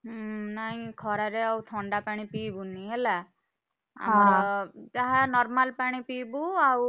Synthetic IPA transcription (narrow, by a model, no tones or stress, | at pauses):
naj̃kʰɔɾaɾeawt̪ʰɔɳɖapaɽ̃ĩpibuniɦela | a̰ | taɦanɔɾmalpaɽ̃ipibuaw